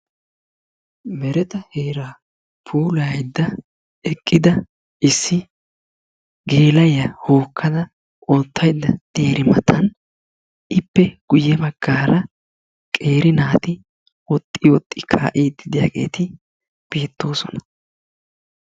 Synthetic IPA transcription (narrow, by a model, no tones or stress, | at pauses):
mɛɾɛt̪ɐheːɾaː | pʰuːlɐjd̪ːɐ | ɛkʼːɪd̪ɐ | ʔɪsːɪ | ɡe̞ːlɐjɐhoːkːɐd̪ɐ | ʔoːt̪ːɐjd̪ːɐd̪̥eːɾɪmɐt̪ʰɐn | ʔɪpːɛɡ̥ʊjːɛbɐɡ̥ːaːɾɐ | kʼe̞ːɾɪnaːt̪ɪ | wɔt̪ʼːɪwɔt̪ʼːɪkʰa̰ːʔiːd̪ːɪd̪ɪja̰ːɡe̞̰ːt̪ɪ | b̥eːt̪ːo̞ːsɔnɐ̥